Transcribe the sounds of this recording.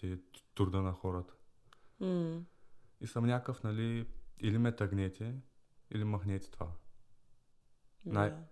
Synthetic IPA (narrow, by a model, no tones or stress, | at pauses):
ɛt̪uɾd̪ənɐxɔɾət̪ə̥ | isəmnʲakəfnɐliilimɛt̪ɐɡnʲɛt̪ʰʲɛḭlimɐxnʲɛt̪ʲɛ̥t̪va̰ | naj